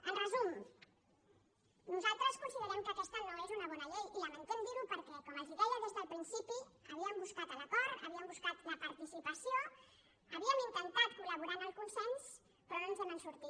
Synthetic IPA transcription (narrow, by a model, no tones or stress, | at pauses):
əlrəzum | nuzalˠt̪ɾəskunsiðəɾɛmkəkɛst̪əŋɾaðezunɐβɔnɐʎejiləmənt̪ɛmd̪iɾupəɾkɛkaməziɣɔləɣəzðəlˠpɾinsipiəβiəmbuskat̪əlap̪aɾəβiəmbuskat̪uləpɐɾt̪isipəsio | əβiəmint̪ənt̪at̪̚kuləβ̞uɾanəlˠkunsɛns | pɾəðenzənənsuɾt̪i